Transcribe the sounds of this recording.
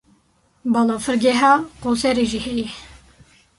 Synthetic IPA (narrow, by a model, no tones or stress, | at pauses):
bɑlofɨɾɡɛɦɑːqosɛɾeʒiːhɛjɛ